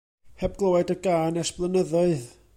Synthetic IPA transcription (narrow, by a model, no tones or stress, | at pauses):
hɛb̚ɡlˠowɛdəɡaːnɛsb̥lˠənəðɔɨð